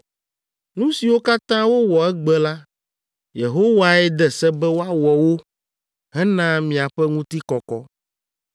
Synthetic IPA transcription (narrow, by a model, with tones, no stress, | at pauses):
nũ˦si˨wo˦ka˦t̪ã˦wo˦wɔ˨ɛ˦ɡ͡bɛ˦la˦ | je˨ɦo˦wa˨ɛ˦d̪ɛ˨sɛ˦bɛ˦wo˦a˦wɔ˨wo˦ | ɦɛ˦nã˦mĩ˨a˨ɸɛ˦ŋũ˦t̪i˦kɔ˨kɔ˦